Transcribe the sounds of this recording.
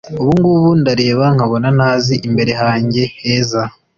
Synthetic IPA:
uβuŋɡuβundaɾe̞ːβaŋ̥haβo̞nanaːziʔimbe̞ɾe̞ɦaːɲɟe̞heːza

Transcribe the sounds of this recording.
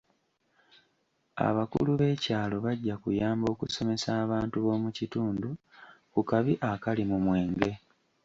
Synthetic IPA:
a̰βakṵluβe̞ːcaːlo̞βaɟːakujaːmbo̞ːkuso̞me̞saːβaːntuβo̞ːmucituːndukukaβiʔakalimumwe̞ːŋɡe̞

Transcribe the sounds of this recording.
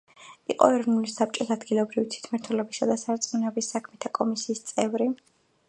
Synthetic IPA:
ḭqʼɔ̰ɛɾɔvnulisap̚t͡ʃʼɔsad̪ɡilˠɔbɾivit̪ʰwi̥t̪ʰmaɾt̪ʰwɛlɛbisad̪asaɾt̪sʼmunɛbisːakʰmɛt̪ʰakʼɔmisiːst̪sʼɛvɾi

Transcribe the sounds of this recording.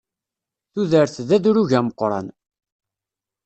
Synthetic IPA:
θuðəɾθðæðuɾuʝæməqːɾˤɑ̰n

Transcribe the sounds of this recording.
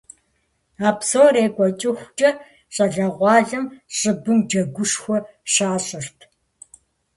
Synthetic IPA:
aːpsoːreːɡʷʼɔt͡ʃʼɪxʷt͡ʃʼɐ | ɕʼɐɮɐʁʷɑːɮɨmɕʼɨbɨmd͡ʒɐɡʷʊʂxʷɔɕaːɕʼɪrtʰ

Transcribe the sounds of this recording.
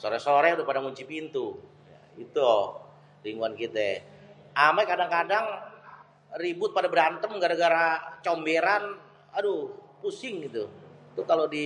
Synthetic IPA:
soɾɛsoɾɛudʊpadaŋuɲt͡ʃipint̪u | ja̰ | it̪uɔ | ɾiŋɡuankit̪ɛ | ʔamakadaŋkadaŋ | ribʊt̪̚padabɾant̪əmɡaɾaɡaɾat͡ʃombeɾan | adupusɪŋit̪ut̪ukalodi

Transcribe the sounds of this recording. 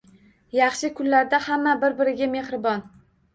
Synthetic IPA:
jɑχʃɪkʰʊnlaɾd̪ahamːabɪɾbɪɾɪɡʲame̞hɾɪbɒn

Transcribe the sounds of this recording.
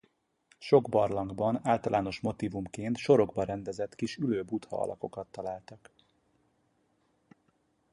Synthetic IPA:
ʃo̞ɡbɒrlɒŋɡbɒnaːlt̪ɒlʔaːno̞ʃmo̞t̪iːvumkeːnt̪ʃo̞ɾo̞ɡbɒɾɛnd̪ɛzɛt̪kiʃyløːbut̪hɒ̰ɒ̰lʔɒ̰ko̞kɒt̪ːɒlaːlt̪ɒk

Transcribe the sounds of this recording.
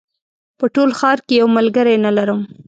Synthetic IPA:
pəʈolxɑɾkejawmalɡəɾajnalaɾəm

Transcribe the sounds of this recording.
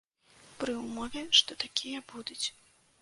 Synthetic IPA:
pɾɨumɔvʲɛʂt̪ɔt̪akʲʰijɐbud̪ut͡sʲ

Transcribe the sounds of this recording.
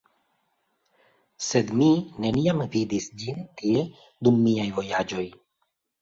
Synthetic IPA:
se̞d̪mine̞niamvidisd͡ʒintie̞ | d̪umːiajvo̞jad͡ʒo̞j

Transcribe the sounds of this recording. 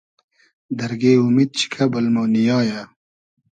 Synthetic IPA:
d̪ɐɾɡeːumid̪̚t͡ɕʰi̥kʰɐbɐlmoːnijɑːja

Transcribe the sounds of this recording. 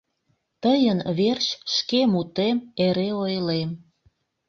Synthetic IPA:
t̪əjənβerɕʃkemut̪emeɾeojlem

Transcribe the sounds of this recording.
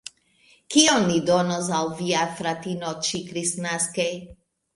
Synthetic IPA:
kionːidonos̬alviafɾatinot͡ʃikɾisnaskej

